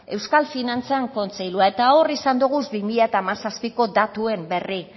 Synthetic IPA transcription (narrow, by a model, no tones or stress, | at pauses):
e̞wskalfinant͡seaŋko̞nt͡se̞jluae̞t̪ao̞risand̪uɣ̞uzbimiʎat̪aːmasaspiko̞d̪at̪ue̞mbe̞ri